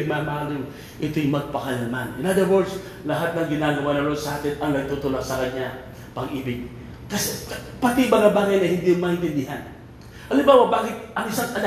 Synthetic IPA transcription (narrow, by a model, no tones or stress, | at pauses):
ɡ̚maːmɐaːlɪŋ | ʔɪt̪ojmɐɡ̚pɐkɐlɐlmanɪ̰nad̪əɹwɛɹd̪s | lɐɦat̪̚nɐŋɡɪnaːɡɐwanɐɾo̞nsɐʔaːt̪ɪnɐŋnɐɡ̚t̪ut̪ʊloasɐkɐɲa | pɐŋʔiːbɪɡ̚ | kɐsɛ | pɐt̪ɪjmɐŋabaːɡɐjnɐjhɪnd̪ijʊŋmɐhɪnt̪ɪnd̪ɪɦan | ʔɐlɪmbaːwɐbaːkɪt̪̚ʔɐŋɪsaŋɐn